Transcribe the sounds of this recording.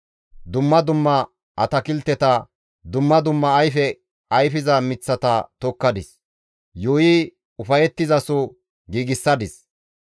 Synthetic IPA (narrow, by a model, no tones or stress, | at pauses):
d̪ʊmːɐd̪ʊmːɐ | ʔɐt̪ɐkɪlt̪ːɛt̪ɐ | d̪ʊmːɐd̪ʊmːɐɐjfɛ | ɐjfɪzɐmɪt͡sːɐt̪ɐt̪ɔkːɐd̪ɪs | joːji | ʊfɐjɛt̪ːɪzɐsɔ | ɡiːɡɪsːɐd̪ɪs